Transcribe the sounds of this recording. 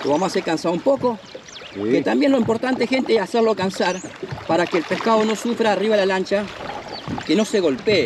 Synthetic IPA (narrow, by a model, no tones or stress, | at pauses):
komamasekansaumpo̞ko̞ | et̪ambje̞nloimpo̞ɾt̪ant̪eesxe̞nt̪eesaseɾloakansaɾpaɾakeːlpehkaðo̞no̞sufɾaːriβaelalant͡ʃa | keno̞se̞ɣo̞lpeː